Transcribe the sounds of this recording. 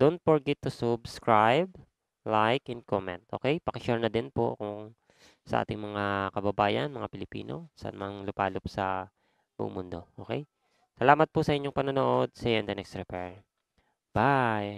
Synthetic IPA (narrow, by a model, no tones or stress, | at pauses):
d̪̥ont̪̚foɹɡɛt̪ːusʊbskɹajb̚ | lajkɛnkomɛ̰nt̪̚ʔoːkɛjpɐkɪʃuɹnɐd̪ɪnpo̰ʔkʊŋ | sɐʔa̰ːt̪ɪŋmɐŋakɐbɐbaːjɐ̰nmɐŋapɪlɪpḭːno̰sɐ̰nmŋlʊpaːlʊp̚sɐ | bʊ̰ʔʊ̰ŋmʊnd̪o̞ʔo̞ːkɛj | sɐlaːmɐt̪̚pʊsɐʔɪɲoŋpɐnonoʔod̪̚sɛjɛnd̪ɐnɛkst̪ɾɛpɛɹ | b̥aj